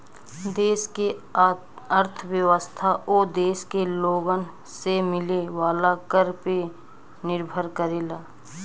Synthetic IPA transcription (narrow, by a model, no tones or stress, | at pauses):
d̪eːske | əɾt̪ʰəwjəʋəst̪ʰaʔoːd̪eːskeloːɡən | semɪleʋaːlakəɾpe | nɪɾbʱəɾkəɾeːlaː